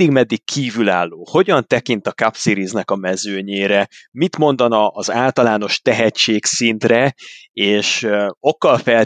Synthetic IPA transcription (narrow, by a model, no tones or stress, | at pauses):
iɡmɛd̪ːikʰːiːvylaːlːoːho̞ɟɒnt̪ɛkint̪ɒkapsiɾiznɛkɒmɛzøːɲeːɾɛmit̪mo̞n̪d̪ɒnɒʔːzaːlt̪ɒlaːno̞ʃt̪ɛɦɛt͡ʃːeːksint̪rɛeːʃo̞kːɒlfɛl